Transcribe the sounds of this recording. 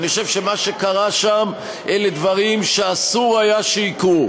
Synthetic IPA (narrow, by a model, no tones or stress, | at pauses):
χoʃevʃemaʃe̞kaʁaʃam | ʔeled̪vaʁimʃeasuʁajaʃeiku